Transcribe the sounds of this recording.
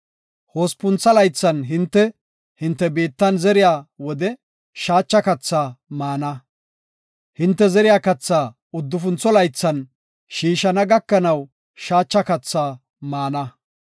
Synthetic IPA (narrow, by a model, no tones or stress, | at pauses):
ho̞ːspʊnt͡sːɐlɐjt͡sːɐnɦɪnt̪ːɛ | hɪnt̪ːɛbeːt̪ːɐnzɛɾɪjaːwɔd̪ɛ | ʃaːt͡ʃːɐkɐt͡sːaːmaːnɐ | hɪnt̪ːɛzɛɾɪjaːkɐt͡sːaː | ʊd̪ːʊfʊnt͡sːɔlɐjt͡sːɐn | ʃiːʃɐnɐɡɐkːɐnɐw | ʃaːt͡ʃːɐkɐt͡sːaː | maːnɐ